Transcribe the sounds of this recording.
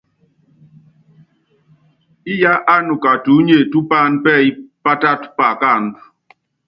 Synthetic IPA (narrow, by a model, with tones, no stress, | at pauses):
i˦ja˦ʔa˦nu˨ka˨tu˨˦ɲe˨tu˦pa˦˨npɛ˦˨i˦pa˦ta˦tpa˨ka˦˨ŋ